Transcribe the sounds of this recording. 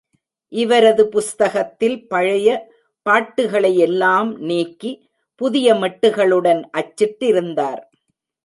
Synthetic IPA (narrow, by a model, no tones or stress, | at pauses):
ʔɪʋɐɾɐðɯpʊst̪ɐɣɐt̪ːɪlpɐɻɐjɐ | paːʈːɯɣɐɭɐjɛlːaːmneːkːi | pʊðɪjɐmɐʈːɯɣɐɭɯɽɐnʔɐt͡ʃːɪʈːɪɾɯnd̪aːɾ